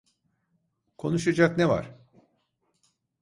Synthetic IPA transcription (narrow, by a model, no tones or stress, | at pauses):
kʰo̞nuʃad͡ʒakneva̰ɾ̥